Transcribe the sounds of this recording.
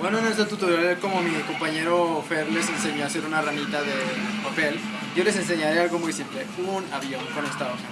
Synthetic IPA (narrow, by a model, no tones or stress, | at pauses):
bwenoenest̪at̪ut̪oɾjaleko̞mo̞miko̞mpaɲe̞ɾo̞feɾle̞se̞nse̞ɲo̞ase̞ɾunaramit̪aðepape̞l | ɟ͡ʝo̞le̞s̬e̞ns̬e̞ɲaɾealɣo̞mujsimple̞unaβjonkonost̪aðo